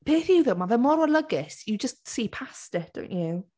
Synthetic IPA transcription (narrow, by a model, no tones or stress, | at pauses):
b̥eːθiuðəmavɛmɔɾɔlˠəɡɪsjəd͡ʒəstsiːpʰastɪd̥o̰w̃nt͡ʃu